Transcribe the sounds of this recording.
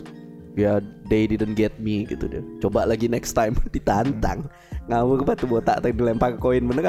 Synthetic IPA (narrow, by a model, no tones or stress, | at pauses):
jadedidənɡɛt̪̚miɡit̪udiat͡ʃobaʔlaɡinɛkst̪ajmdit̪ant̪a̰ŋ | ŋawərbat̪uboat̪a̰ʔt̪adilempakəkoɪnbənərka